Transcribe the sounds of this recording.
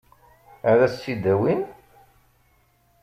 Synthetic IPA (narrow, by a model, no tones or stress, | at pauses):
æðæsːid̪æwin